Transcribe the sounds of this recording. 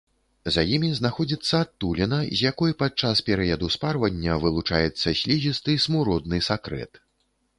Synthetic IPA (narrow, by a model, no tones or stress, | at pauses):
zɐjimʲiznaxɔd͡zʲit̪sːɐːt̪ːulʲinɐzʲjakɔjpat͡ʂaspʲɛɾɨjɐd̪usparvɐnʲːɐvɨlˠut͡ʂajɛt̪sːɐsʲlʲizʲist̪ɨsmuɾɔd̪̚nɨsakɾɛ̰t̪